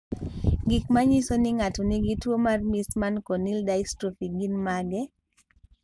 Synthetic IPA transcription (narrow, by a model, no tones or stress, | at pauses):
ɡɪkmaɲisoniŋatoniɡitwomarmismankonildajstɾofiɡinmaɡɛ